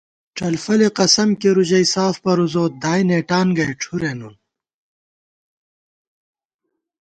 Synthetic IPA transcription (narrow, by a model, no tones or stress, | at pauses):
ʈ͡ʂɐlfɐleqɐsɐmkeɾuʑɐjsaːfpɐɾuzoːt̪̚d̪aːjneːʈaːnɡɐjʈ͡ʂʰuɾenun